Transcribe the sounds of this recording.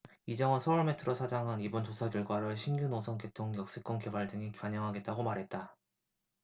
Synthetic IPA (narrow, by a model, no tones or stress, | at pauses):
id͡ʑʌŋʌnsʰʌʌɭmitʰɯɾosʰad͡ʑaŋɦanibont͡ɕosʰaɡjʌɭɡwaɾɯɭɕʰimɡjunosʰʌŋke̞tʰoŋɡjʌk̚s͈ɯk͈wʌnke̞baɭdɯŋikwaɲʌŋɦaɡe̞t̚t͈aɡomaɾɦe̞t̚t͈a